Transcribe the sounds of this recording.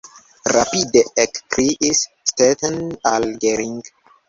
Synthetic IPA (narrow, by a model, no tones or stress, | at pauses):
rapideekpɾiʔis | stet̪analɡeɾiŋɡ